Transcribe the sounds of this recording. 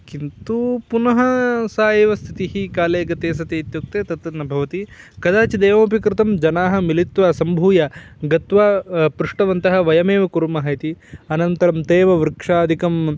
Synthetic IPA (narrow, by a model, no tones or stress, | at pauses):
kint̪upunɐɦɐsaːjiʋɐst̪ʰit̪iɦikaːleːɡɐt̪eːs̬ɐt̪eːit̪juk̚t̪eːt̪ɐt̪ɐnːɐbʱɐʋɐt̪i | kɐd̪aːt͡ʃid̪eːʋɐmɐpikɾɪt̪ɐmd͡ʒɐnaːɦɐmilit̪ʋaːsɐmbʱuːjɐɡɐt̪ʋaːpɾuʂʈɐʋɐnt̪ɐɦɐ̆ʋɐjɐmeːʋɐkuɾumɐɦɐjt̪iɐnɐnt̪ɐɾɐmt̪eːʋɐʋɾɨkʂaːd̪ʱikɐm